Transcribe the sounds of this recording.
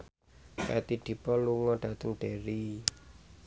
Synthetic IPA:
ka̰t̪iɖ̥i̤pɔluŋɔɖ̥ä̤t̪əŋɖ̥eɾi

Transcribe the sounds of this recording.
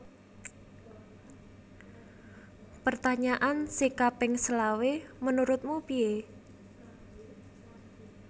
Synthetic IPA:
pərt̪aɲaʔansikapɪŋsəlawemənuɾʊt̪̚mupie

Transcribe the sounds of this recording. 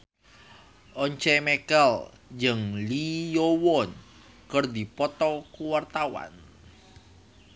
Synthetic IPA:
ʔɔɲt͡ʃɛmɛkɛl | d͡ʒəŋlijowɔn | kərd̪ipɔt̪ɔkuwart̪awa̰n

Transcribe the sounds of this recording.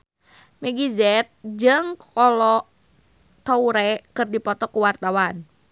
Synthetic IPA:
mɛɡizɛt̪̚d͡ʒɨŋkʰɔlɔ | t̪ɔuɾɛkɨrdipɔt̪ɔkuwart̪awan

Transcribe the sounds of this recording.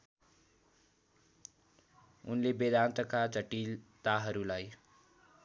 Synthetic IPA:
unlebed̪ant̪ʌkat͡sʌʈilt̪aɦʌɾulaj

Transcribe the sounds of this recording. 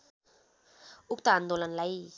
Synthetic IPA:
uk̚t̪aːnd̪olanlaj

